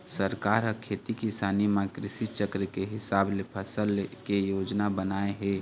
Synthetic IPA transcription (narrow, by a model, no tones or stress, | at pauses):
səɾkaːɾəkʰeːt̪ikisaːnimãkɾɪsit͡ʃəkɾəkeɦɪsaːblepʰəsəlkejoːd͡ʒnabənaːeɦɛː